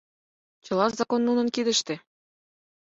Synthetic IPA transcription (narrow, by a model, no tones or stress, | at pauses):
t͡ɕɤ̆lɑʃzɑkonːunɤ̆nkid̪ə̆ʃt̪ĕ